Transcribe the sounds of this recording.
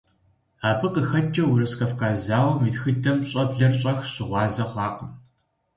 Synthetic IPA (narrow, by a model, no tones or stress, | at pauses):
aːbɨqəxɐt͡ʃʼːɐwurɐskɐfkʰaːzaːwɐmitxɨdʰɐmɕʼɐbɮɐrɕʼɐxɕɪʁʷɑːzɐχʷɑːqəm